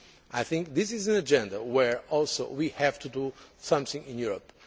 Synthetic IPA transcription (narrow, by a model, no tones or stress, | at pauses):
ʔajθɪ̃ŋk̚ðɪsɪzɨ̃nɨd͡ʒɛ̃ndəwɛɹɔlˠso̰wihævtʰudusʌ̃mθɪ̃ŋɪ̃njuɹəp̚